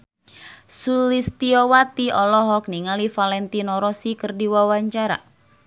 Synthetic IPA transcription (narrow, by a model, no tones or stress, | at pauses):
sulist̪iowat̪iɔlɔɦɔk̚niŋalifalɛnt̪inɔɾɔsikərdiwawaɲt͡ʃaɾa̰